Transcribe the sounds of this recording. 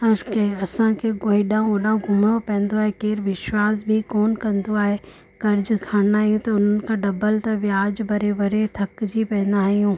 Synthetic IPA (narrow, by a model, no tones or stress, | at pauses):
ɐkeɐsãkʰeɡoːiɗãːũɐɗãũɡʱʊmɽ̃opɛ̃ːə̃nd̪oaːɦekeːɾʋɪʃwaːs̬bʱikoːnkɐ̃nd̪oaːɦe | kɐɾɪd͡ʑkʰaːnaːɦijũt̪ɐʊn̤ənɪ̆kʰãɖɐbəlt̪ɐʋjaːd͡ʑbɐɾebɐɾet̪ʰɐkd͡ʑipɐ̃ɦɪ̃n̆d̪aːɦijũː